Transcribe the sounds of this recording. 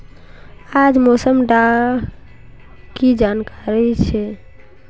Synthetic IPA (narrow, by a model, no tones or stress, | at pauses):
ad͡ʒmosəmɖa | kid͡ʒankaɾit͡ʃʰɛ